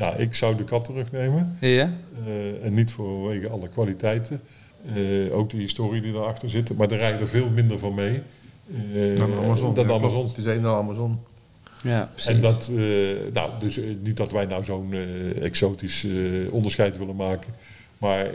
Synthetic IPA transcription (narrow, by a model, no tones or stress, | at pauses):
nawʔɪksɑwdəkɑtərɵxnejmən | ɛnːitfʊʋejɣəɑləkʋaːlitɛjtʰə | o̰wk̚dəɦɪstoːriədidaɹɑxtəɹzɪtəmaːɹdərɛjədəɹvɪːlˠmɪndəɹvɑnmej | dazndɑamzɔnɪseamazɔn | ɛndɑtna̰wdɵsnidɑtʋɛjnɔwzownɛ̰ksowtisɔndəɹsxɛjtʋɪlənmaːkə | maːɹ